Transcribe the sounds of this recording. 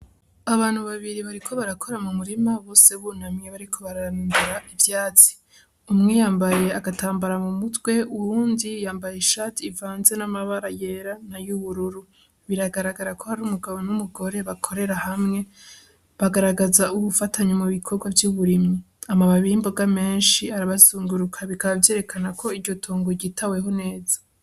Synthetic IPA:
aβaːn̥huβaβiɾiβaɾikʰo̞βaɾakʰo̞ɾamumuɾimaβo̞ːse̞βunamɲeβaɾikʰo̞βaɾamdeɾaʔivjaːt͡si̥ | umŋejaːmbaje̞aɡataːmbaɾamumutwe̞ʔuɾuːndijaːmbajeʃatiːvaːnze̞namaβaɾaje̞ɾanajuβuɾuɾu | βiɾaɡaɾaɡaɾakʰohaɾuːmuɡaβo̞numuɡo̞ɾe̞βakʰo̞ɾe̞ɾahamŋe̞ | βaɡaɾaɡazauβufatʰaɲamuβikʰo̞ɾɡwavjuβuɾimi | amaβaβiimbo̞ɡame̞ːnʃiaɾaβazuːŋɡuɾukʰaβikaβavje̞ːɾe̞kʰanakʰo̞iɾɟo̞tʰoːŋɡo̞ɟitawe̞ɦo̞ne̞ːza

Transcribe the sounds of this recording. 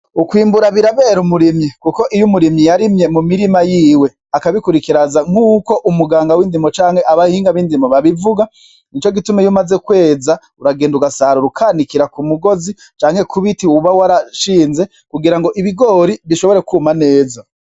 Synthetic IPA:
ukwiːmbuɾaβiɾaβe̞ɾumuɾimjikuko̞ʔijumuɾimɲijaɾimje̞mumiɾimajiːwe̞ | akaβikuɾikiɾazaŋ̥uːko̞ʔumuɡaːŋɡawiːndimot͡ʃaːŋhe̞ʔaβahiːŋɡaβiːndimoβaβivuɡa | nit͡ʃo̞ɡitumejumaze̞kwe̞ːza | uɾaɡeːnduɡasaɾuɾukʰaːnikiɾakumuɡo̞zi | t͡ʃaːŋhe̞kʰuβitiwuβawaɾaʃiːnze̞ | kuɡiɾaŋɡo̞ʔiβiɡo̞ːɾiβiʃo̞βo̞ɾe̞kuːmane̞ːza

